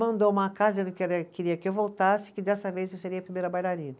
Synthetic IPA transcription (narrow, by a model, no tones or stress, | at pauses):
mɐ̃nd̪owũmɐkaɾd͡ʒẽd̪kɛɾɐkɪɾiɐkɪewvowt̪asɪ̥kɪd̪ɛsɐvejzewseɾiɐpɾimejɾɐbajlaɾĩnɐ